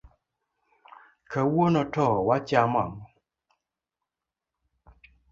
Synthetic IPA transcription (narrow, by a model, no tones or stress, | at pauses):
kawonɔtɔwat͡ʃamamɔ